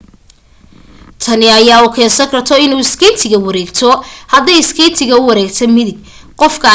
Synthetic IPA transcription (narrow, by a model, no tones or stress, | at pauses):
t̪ʰɐnɪɐjaːukʰɛːsɐŋkʰɐrt̪ʰɔɪnuːɪskʰɛjt̪ʰɪɣɐwɐɾɛːɡt̪ʰɔhɐd̪ɛjɪskʰɛjt̪ʰɪɣɐʊwɐɾɛːɡt̪ʰɐmɪðɪɡ | qɔfkʰɐ